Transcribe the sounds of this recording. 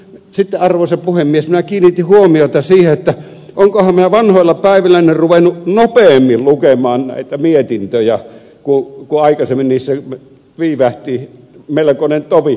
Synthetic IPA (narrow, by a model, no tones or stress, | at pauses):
sit̪ːeɑrʋosepuhemːiesminækiːnːit̪ːihuomioˑet̪ɑsiːheet̪ːæ | oŋkohɑmminæʋɑnhoˑilːɑpæˑiʋilæˑnerruʋenːˑuʔnopeːmːillukemˑɑːnnæ̰ˑit̪æmiet̪int̪øjæ | kukuɑˑikɑsemːiniːsːe | ʋiːʋæht̪i | melekonent̪oʋi